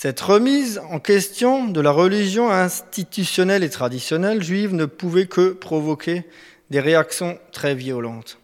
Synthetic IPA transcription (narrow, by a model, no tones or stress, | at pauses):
sɛt̪ʁəmizɑ̃kʲɛst̪jɔ̃d̪əlaʁəliʒjɔ̃ɛ̃st̪it̪ysjɔnɛlet̪χad̪isjɔnɛlʒɥivnəpuvɛkʰəpχɔvɔkʲʰe | d̪eʁeaksjɔ̃t̪χɛvjiɔlɑ̃t̪